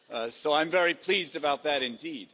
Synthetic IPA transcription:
soʊãɪ̃ɱvɛɹipʰl̥izdɨbaʊt̪̚ðɨɾɨ̃ndid̥

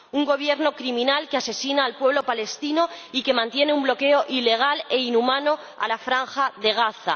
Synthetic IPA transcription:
uŋɡo̞β̞je̞ɾno̞kɾimĩnalkease̞sinaːlpwe̞β̞lo̞pale̞st̪ino̞ike̞mãnt̪je̞ne̞umblo̞ke̞o̞ʔile̞ɣ̞ale̞inumãno̞ | a̰lafɾaŋxaðe̞ɣ̞aθa̰

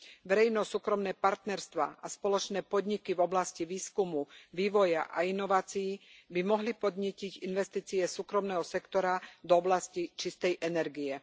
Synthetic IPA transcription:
ʋɛɾɛjnɔsuːkɾɔmnɛːpaɾt̪nɛɾst̪ʋa̰ːʔaspɔlɔt͡ʃnɛːpɔd̪ɲikivɔblasciʋiːskumuʋiːʋɔjaʔa̰inɔʋaːt͡sijibimɔɦlipɔd̪ɲɪɛciɟinʋɛst̪iːt͡siɛsuːkɾɔmnɛːɦɔsɛkt̪ɔɾad̪ɔɔblascit͡ʃist̪ɛjʔɛnɛɾɡiɛ

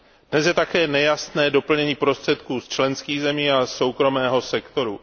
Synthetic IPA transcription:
d̥nɛsjɛt̪akɛːnɛjasnɛːdo̞pl̩ɲɛɲiːpɾo̞st̪r̝̥ɛt̪kuːst͡ʃlɛnskiːɣzɛmiːaso̞wkɾo̞mɛːɦo̞sɛkt̪o̞ɾu

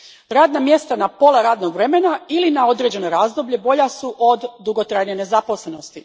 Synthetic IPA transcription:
ɾaːd̪namje̞st̪anapo̞laɾaːd̪no̞ɡʋɾe̞menailinao̞d̪ɾeːd͡ʑe̞no̞jɾaːzd̪o̞bʎebo̞ʎasuʔod̪ːuɡot̪ɾajnene̞zapo̞slˠeno̞st̪i

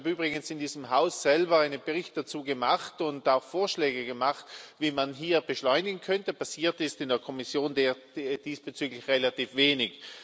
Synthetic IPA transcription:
abyːbʁɪɡənsɪndiːzəm̩ɦaʊssɛlbɐaɪnənbəʁɪçt̚d̥at͡suːɡəmaχtʊntaʊxfoːɐʃlɛːɡəɡəmaχtviːmanɦiːɐb̥əʃlɔʏnɪɡŋ̩kʰœntəpasiːɐtɪstɪndeːɐkʰɔmɪsjoːndeː | d̥iːsb̥ət͡syːɡlɪçʁelatiːfv̥eːnɪç

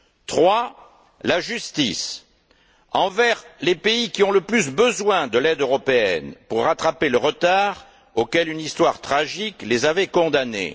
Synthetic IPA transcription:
t̪χwa | laʒyst̪ḭs | ɑ̃vɛʁlepeikʲiɔ̃ləplys̬bəzwɛ̃d̪əlɛd̪øʁɔpeɛ̰npuʁːat̪χapeləʁət̪aʁ | okɛlynist̪waʁt̪χaʒiklezavɛkɔ̃d̪anḛ

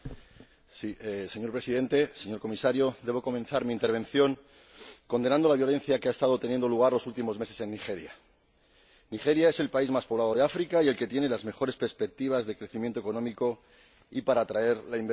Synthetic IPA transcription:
sise̞ɲo̞ɾpɾe̞siðe̞nt̪e̞se̞ɲo̞ɾko̞misaɾjo̞d̪e̞βo̞ko̞mẽ̞nθaɾmiːnt̪e̞ɾβe̞nθjo̞ŋ | ko̞nd̪e̞nãnd̪o̞laβjo̞le̞nθjakeaest̪að̞ot̪enje̞nd̪o̞luɣ̞aɾlo̞sult̪imo̞zme̞se̞se̞nːixe̞ɾja | niχe̞ɾjaese̞lpaizmaspo̞β̞laðo̞ð̞e̞afɾikaie̞lke̞t̪je̞ne̞lazme̞xo̞ɾe̞spe̞ɾspe̞k̚t̪iβ̞azðe̞kɾe̞θimjent̪oeko̞nõ̞miko̞ | ipaɾaːt̪ɾae̞ɾlaimb

